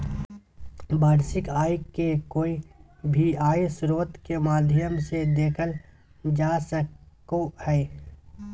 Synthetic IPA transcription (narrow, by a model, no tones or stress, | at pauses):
baːɾsɪkaːjekoːibʱiaːesɾoːt̪kemaːd̪ʱjəmsed̪eːkʰəl | d͡ʒaːsəkohɛː